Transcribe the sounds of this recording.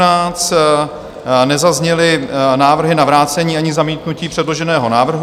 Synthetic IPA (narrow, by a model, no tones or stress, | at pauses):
naːt͡st̪ | nɛzazɲɛlɪnaːvr̩ɦɪnavɾaːt͡sɛɲiːaɲɪzamiːt̪nuciːpr̥ɛdlo̞ʒɛnɛːɦo̞naːvr̩ɦ